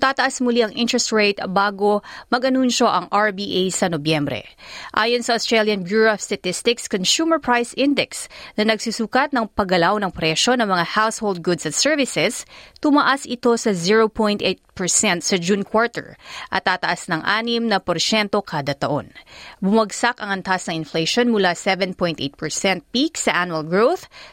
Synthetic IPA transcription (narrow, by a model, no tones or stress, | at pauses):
t̪aːt̪ɐʔasmʊliʔɐŋʔɪ̃nt̪ɹɛst̪ɹejt̪ɐbaːɡo̞mɐɡʔɐnunʃo̞ʔɐŋʔaɹbiːʔejsɐnobjɛmbɾɛ̰ʔa̰ːjonsɐʔost̪ɹɛljɐnbjuːɹost̪ɐt̪ɪst̪ɪkskonsuːmɛɹpɹajsʔɪnd̪ɛksnɐnɐɡsusukɐt̪̚nɐŋpɐɡɐlawnɐŋpɾɛʃo̞nɐŋmɐŋahawshold̪̚ɡʊd̪sɐt̪sɛɹvɪsɛst̪ʊmɐʔasɪt̪o̞sɐziɹopʰõjnt̪ʔet̪̚pɛɹsɛnt̪sɐd͡ʒunkwoɹt̪ɛ̰ɹʔɐ̰t̪ːat̪ɐʔasnɐŋʔaːnɪmnɐpoɾsɛnt̪o̞kʰaːd̪ɐt̪ɐʔo̞̰nbʊmɐɡsakɐŋʔɐnt̪asnɐŋɪnfleʃonmʊlasɛvɛnpojnt̪et̪̚pɛɹsɛnt̪̚piksɐʔanuɐlɡɹowθ